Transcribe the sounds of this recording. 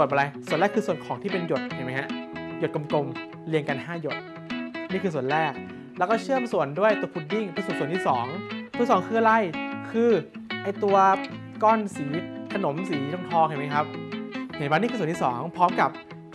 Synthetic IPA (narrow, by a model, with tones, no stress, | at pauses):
u˨˩n̚mɔ˧la˧jsu˨˩ənlɛː˥˩kʰːɯː˧su˨˩ənkʰɔː˩˦t̪ʰiː˥˩pe˧njo˨˩t̪̚ʰhʰa˧˩jma˦˥jha˦˥ʔjo˨˩t̪̚ko˧mko˧m | li˧əŋka˧nhaː˥˩jo˨˩t̪̚ | niː˥˩kʰɯː˧s̬u˨˩ə˩nɾɛː˥˩k̚ | lɛː˦˥wkɔː˥˩t͡ɕʰɯː˥˩əmsu˨˩əndu˥˩əjt̪u˧əpʰu˨˩t̪̚ji˥˩ŋpʰa˧st̪̚sənt̪ʰiː˥˩sɔː˩˦ŋʰu˧˨˦sɔː˨˩˦ŋkʰɯ˥˩ɐla˧˩jkʰɯː˧ | ʔa˧jt̪u˧ɐ | kɔː˥˩nsiː˩˦kʰa˧no˩˦msiː˩˦lo˧˩ŋt̪ʰɔː˧kʰa˧˩ma˦˥kʰa˦˥p̚na˨˩˨baː˧niː˥˩kːst̪iː˥˩sɔ̰ː˩˦ŋpʰɔː˦˥mka˨˩p̚